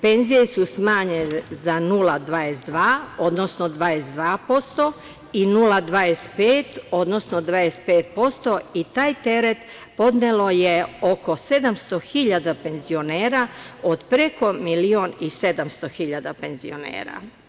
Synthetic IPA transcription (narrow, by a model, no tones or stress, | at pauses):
pe̞nzije̞susmaːɲenzanulad̪ʋaːjesd̪ʋaːo̞d̪no̞snod̪ʋaːjesd̪ʋaːpo̞st̪o̞ | inulad̪ʋajespeːt̪o̞d̪nosnod̪ʋaespeːt̪̚po̞st̪o̞it̪aːjt̪e̞ɾe̞t̪ | po̞d̪nelo̞jeo̞ko̞se̞d̪amst̪o̞xiʎad̪ape̞nzio̞neːɾaod̪pɾeko̞milioːnise̞d̪amst̪o̞xiʎad̪ape̞nzio̰nḛːɾa̰